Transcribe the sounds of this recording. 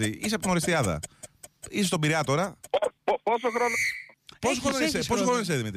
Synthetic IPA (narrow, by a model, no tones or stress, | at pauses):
iiseɐpot̪noɾist̪iɐðɐ̰ | isest̪obiɾɐt̪o̞ɾɐ | posoxɾonpos̬xoɾonisposoxɾonis̬eðimit̪ɾ